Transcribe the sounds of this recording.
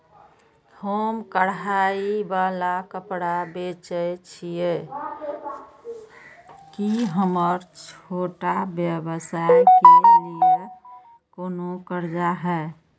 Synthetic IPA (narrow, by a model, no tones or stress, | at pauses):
hoːmkəɽɦaibaːlakəpɽabet͡ʃəjt͡ʃʰije | kiɦəməɾt͡ʃʰoːʈabjəbəsajkelije | koːnokəɾd͡ʒaɦɛ